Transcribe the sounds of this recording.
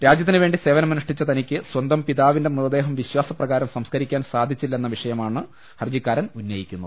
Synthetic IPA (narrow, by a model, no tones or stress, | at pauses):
ɾaːd͡ʑjɐt̪ːinɨʋe̞ːɳɖise̞ːʋɐnɐmːɐniʂʈit͡ɕːɐt̪ɐnikʲːɨswɐnd̪ɐmpiðaːʋinde̞muðɐd̪e̞ːɦɐmʋiɕwaːsɐprɐɣaːɾɐmsɐmskɐɾikʲːaːnsaːd̪ʱit͡ɕːilːɐenːɐʋiʂɐjɐmaːɳɨ | hɐrd͡ʑikːaːɾɐnunːɐjikʲːunːṵ